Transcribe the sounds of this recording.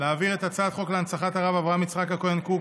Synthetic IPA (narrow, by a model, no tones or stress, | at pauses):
leaːviʁet̪at͡saːd̪χo̞kleant͡saχat̪aʁavavʁaamit͡sχakakojanku